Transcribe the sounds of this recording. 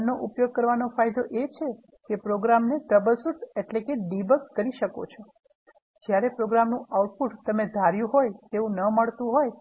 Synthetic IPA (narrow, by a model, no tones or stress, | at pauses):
oʔupjoɡ̚kəɾʋanofajd̪oʔet͡ʃʰe | kepɾoɡɾamneʈ̪əbəlsuʈeʈlekeɖibəkːəɾiʃəko̰t͡ʃʰo | d͡ʒjaɾepɾoɡɾamnũauʈ̚puʈt̪əmed̪ʱaɾjũɦojt̪eʋũnəməɭt̪ũɦoj